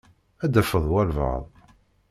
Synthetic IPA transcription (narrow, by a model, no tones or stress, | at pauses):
æd̪æfəðˤwælvə̰ðˤ